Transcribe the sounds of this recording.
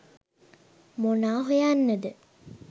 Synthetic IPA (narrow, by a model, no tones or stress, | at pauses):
monaːɦojanːəd̪ə